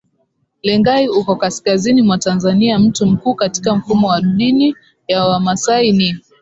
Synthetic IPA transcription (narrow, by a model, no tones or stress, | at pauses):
lɛŋɡaiukɔkaskazinimwatanzaniam̩tum̩kuːkati̥kam̩fumɔwaɗɗini | jawamasaini